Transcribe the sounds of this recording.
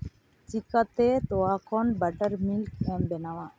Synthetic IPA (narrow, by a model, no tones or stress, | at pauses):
t͡ʃikat̪et̪oakɔnbɐʈəɾmilkɛmbɛnaʋa